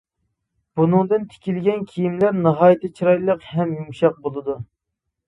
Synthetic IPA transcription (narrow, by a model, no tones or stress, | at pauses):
b̥unɨŋd̪ɨnt̪ʰe̥kʲilɡʲɛnkʲʰijimlæɾnɨɦɑːjit̪ɪt͡ʃʰiɾɑjlˠəqhɛmjumʃɑq̚bolˠɨd̪u